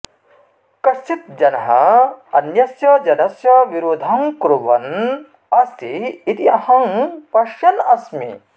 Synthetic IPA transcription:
kɐst̪ʰit̪̚d͡ʒɐnɐɦɐ̰ɐnjɐsjɐd͡ʒɐnɐsjɐʋiɾuːd̪ʱɐŋkɾuʋɐ̰n | ɐst̪iːt̪iɐhɐ̃ŋpɐʃjɐnɐsmḭ

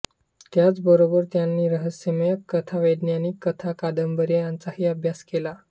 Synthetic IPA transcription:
t̪jat͡sbəɾobəɾt̪janːiːɾəɦəsjəmejəkːət̪ʰaʋəd̪njaniːkət̪ʰakad̪əmbəɾejant͡saɦiːəbʱjaskela

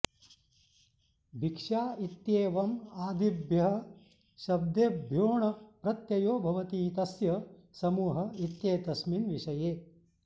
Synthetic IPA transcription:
bʱikʂaːit̪jeːʋɐmaːd̪ibʱjɐɦɐ | ʃɐb̚d̪eːbʱjoːɳɐpɾɐt̪jɐjoːbʱɐʋɐt̪iːt̪ɐsjɐsɐmuːɦɐit̪jeːt̪ɐsminʋiʂɐjeː

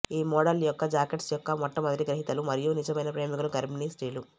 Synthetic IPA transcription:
iːmɔːɽɐljɔkːɐd͡ʒaːkeʈsjɔkːɐmɔʈːɐmɐnd̪ɾiɡɾɐɦit̪ɐlumɐɾijunit͡ʃɐmɐjnɐpɾeːmikɐluɡɐɾminisʈiːlu

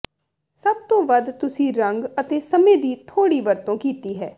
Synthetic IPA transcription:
səb̚t̪õːʋəd̪t̪ʊsĩːɾəŋɡət̪eːsəmẽːd̪iːt̪ʰoːɽiːʋəɾt̪õːkiːt̪iːɦɛː

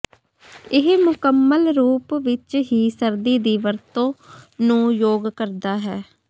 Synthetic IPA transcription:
ɪɦmʊkəmːəlɾuːpʋɪt͡ʃɦiːsəɾd̪iːd̪iːʋəɾt̪õːnũːjoːɡkəɾd̪aːɦɛː

